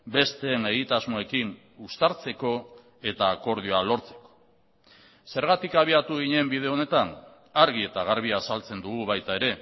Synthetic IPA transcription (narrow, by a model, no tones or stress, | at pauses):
be̞st̪e̞ne̞ɣit̪azmoe̞kin | ust̪aɾt͡se̞ko̞ | e̞t̪aːko̞ɾðioalo̞ɾt͡se̞̥ko̥ | se̞ɾɣat̪ikaβ̞iat̪uɣ̞iɲe̞mbið̞e̞o̞ne̞t̪an | aɾɣ̞ie̞t̪aɣ̞aɾβ̞iaːsalt͡se̞nd̪uɣ̞uβajt̪ae̞ɾe̞